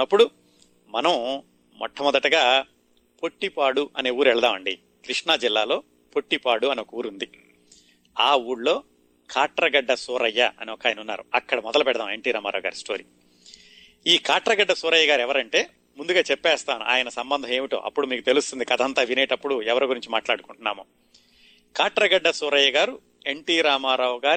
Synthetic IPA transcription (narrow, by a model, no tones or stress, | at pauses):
ɐpːuɽu | mɐnɐm | mɔ̰ʈʰːɐmɔd̪ɐʈɐɡaː | po̞ʈːipaːɽuʔɐne̞ːuːɾɛɭɐd̪aːmɐɳɖi | kɾiʂɳaːd͡ʒilːaːlo̞ː | po̞ʈːipaːɽuɐnɔkɐuːɾund̪i | aːuːɽlo̞ː | kʰaːʈɾɐɡɐɖːɐsɔːɾɐjːɐɐ̰niɔkaːjɐnunːaːɾuɐkːɐɽɐmɔd̪ɐlɐpɛɽɐd̪aːmeɳʈiːɾaːmaːɾa̰ːɡa̰ːɾisʈo̞ːɾḭː | iːkaːʈɾɐɡɐɖːɐsɔːɾɐjːɐɡaːɾiɛʋɐɾɐɳʈe̞ː | mund̪uɡaːt͡ʃɛpːɛːst̪aːnṵʔa̰ːjɐnɐsɐmbɐnd̪ʱɐme̞ːmiʈo̞̰ːʔɐ̰pːuɽumiːkut̪e̞lust̪und̪ikɐd̪ʱɐnt̪aːʋineːʈɐpːuɽuɛʋɐɾɐɡuɾiɲt͡ʃimaːʈlaːɽukuɳʈunːaːmoː | kaːʈɾɐɡɐɖːɐsɔːɾɐjːɐɡaːɾu | e̞ɳʈiːɾaːmaːɾɐwɡaː